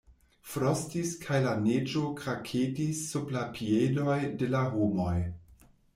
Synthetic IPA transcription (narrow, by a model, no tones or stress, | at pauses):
fɾostiskʰajlaned͡ʒo̞kɾakʰedisːuplapʰiedo̞jde̞laɦomo̞j